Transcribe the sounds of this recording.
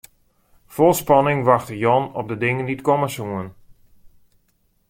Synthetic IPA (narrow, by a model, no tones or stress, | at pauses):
fɔlˠspɑnɪŋʋaxtəjɔnɔp̚dədɪŋənditkɔməsuən